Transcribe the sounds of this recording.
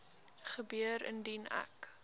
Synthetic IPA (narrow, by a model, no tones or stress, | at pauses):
χəbyəɾə̰ndinæ̰k